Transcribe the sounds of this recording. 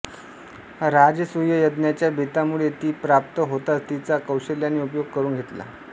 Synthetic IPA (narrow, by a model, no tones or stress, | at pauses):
ɾad͡zəsujəjəd̪njat͡ɕjabʱit̪amuɭet̪iːpɾap̚t̪əɦot̪at͡st̪it͡sakəwɕəljanːiupjoɡ̚kəɾuːnɡʱet̪la̰